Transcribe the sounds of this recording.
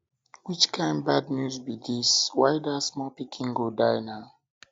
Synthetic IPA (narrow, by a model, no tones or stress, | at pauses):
wit͡ʃkʰãɪ̃ndbadnjuzbidiswajdasmɔpikʰĩŋɡodajnaʊ